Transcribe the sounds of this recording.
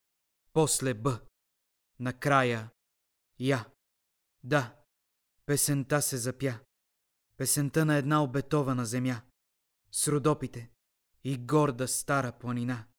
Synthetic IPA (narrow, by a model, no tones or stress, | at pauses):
pɔslɛbə | nɐkɾajə | ja | d̪a | pɛsɛnt̪asɛzɐpja | pɛsɛnt̪ənɐɛd̪naobɛt̪ɔvɐnɐzɛmja | sɾʊd̪ɔpit̪ɛ | iɡɔɾd̪əst̪aɾəplˠɐnina